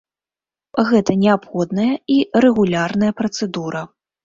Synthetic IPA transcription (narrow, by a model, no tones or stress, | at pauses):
ɣɛt̪ɐnʲɛapxɔd̪nɐjɐirɛɣulʲarnɐjɐpɾɐt̪sɛd̪uɾɐ